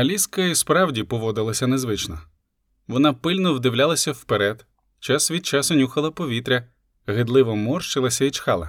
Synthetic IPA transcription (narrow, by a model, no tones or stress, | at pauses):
ɐlʲiskɐispɾɑwdʲipɔʋɔd̪ɪlˠɐsʲɐnezʋɪt͡ʃnɔ | ʋɔnɑpɪlʲnɔwd̪ɪwlʲalˠɐsʲɐwpeɾɛd̪ | t͡ʃɑsʋʲid̪̚t͡ʃɑsɔnʲuxɐlˠɐpɔʋʲit̪ɾʲɐ | ɦɪd̪lˠɪʋɔmɔrʃt͡ʃɪlˠɐsʲɐit͡ʃxɑlˠɐ̰